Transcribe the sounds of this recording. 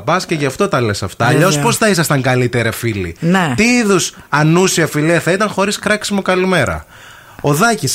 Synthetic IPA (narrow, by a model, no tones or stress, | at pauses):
pɐsceʝɐft̪o̞t̪ɐle̞sɐft̪ɐːʎospo̞sθɐisɐst̪ɐŋɡɐlit̪e̞ɾɐfilḭnet̪iiðus | ɐnusiɐfiliɐθɐit̪ɐŋxo̞ɾiskɾɐksimo̞kɐlime̞ɾɐ̰ | o̞ðɐcis